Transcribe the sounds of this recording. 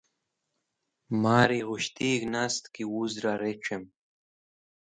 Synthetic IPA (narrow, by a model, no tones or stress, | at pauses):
maːɾiɣuɕt̪iːɡnast̪kiwuzɾaɾeʈ͡ʂʰem